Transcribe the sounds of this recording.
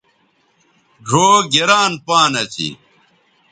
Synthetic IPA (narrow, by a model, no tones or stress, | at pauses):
ɖʱoːɡeɾaːnpaːnɐt͡ɕḭ